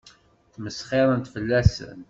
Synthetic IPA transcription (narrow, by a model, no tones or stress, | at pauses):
θməsχɪɾˤənt̪fəlːæsə̰n